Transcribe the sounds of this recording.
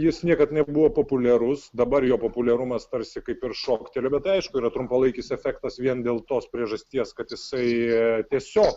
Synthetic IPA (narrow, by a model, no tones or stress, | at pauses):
jɪsnʲiɛkɐt̪nʲɛbʊʋoːpoːpʊlʲɛɾʊsd̪ɐbɐɾjoːpoːpʊlʲɛɾʊmɐst̪ɐɾʲsʲɪkɐɪpɪɾʃoːkt̪ʲelʲoːbʲɛt̪t̪ɐɪɐɪʃkʊiːɾɐt̪ɾʊmpɐlˠɐɪkʲɪsɛfʲækt̪ɐsʋʲiɛnd̪ʲeːlˠt̪oːspʲɾʲiɛʒɐsʲt̪ʲiɛskɐt̪jɪsɐɪt̪ʲiɛsʲoːk